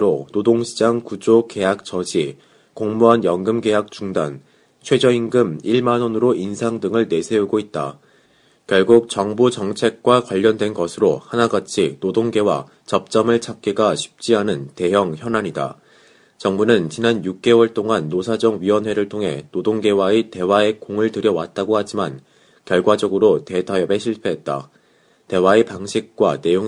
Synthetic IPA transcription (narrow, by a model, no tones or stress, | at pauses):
ɾonodoŋɕʰid͡ʑaŋkud͡ʑoke̞jak̚t͡ɕ͈ʌd͡ʑi | koŋmuanjʌŋɡɯmɡe̞jak̚t͡ɕ͈uŋda̰n | t͡ɕʰwe̞d͡ʑʌinɡɯmiɭmanʌnɯɾoʔinsʰaŋdɯŋɯɭne̞sʰe̞uɡoit̚t͈a̰ | kjʌɭɡuk̚t͡ɕʌŋbut͡ɕʌŋt͡ɕʰe̞k̚k͈wakwaʎːʌndwe̞nɡʌsʰɯɾohanaɡat͡ɕʰinodoŋɡe̞wa̰ | t͡ɕʌp̚t͡ɕ͈ʌmɯɭt͡ɕʰak̚k͈eɡaɕʰɥi̥p̚t͡ɕ͈iɦanɯnte̞ɦjʌŋçjʌnaɲida̰ | t͡ɕʌŋbunɯnt͡ɕinanjuk̚k͈e̞wʌɭt͈oŋanːosʰad͡ʑʌŋɥiwʌnɦwe̞ɾɯɭtʰoŋɦe̞̰nodoŋɡe̞waite̞wae̞koŋɯɭtɯɾjʌwa̰t̚t͈aɡohad͡ʑiman | kjʌɭɡwad͡ʑʌɡɯɾote̞tʰajʌbe̞ɕʰiɭpʰe̞ɦe̞t̚t͈a̰ | te̞wae̞paŋɕʰik̚k͈wane̞joŋ